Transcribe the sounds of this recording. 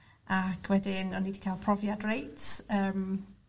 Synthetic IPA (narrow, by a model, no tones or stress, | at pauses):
akʰwɛdɪnɔnːiːdi̥kʰajlˠpʰrɔvjadrejtəːm